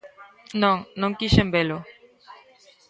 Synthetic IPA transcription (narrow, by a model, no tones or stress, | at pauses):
nõŋnõŋkiʃembelo